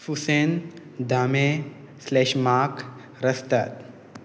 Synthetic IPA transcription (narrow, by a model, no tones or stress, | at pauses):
fusen | d̪ʱaːmẽ | slɛʃmaːk | ɾəst̪at̪